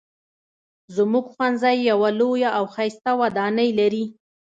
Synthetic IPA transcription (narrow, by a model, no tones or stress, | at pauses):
zəmuɡxwand̪zɑjːawalojaʔawxajst̪awad̪ɑnəjlaɾi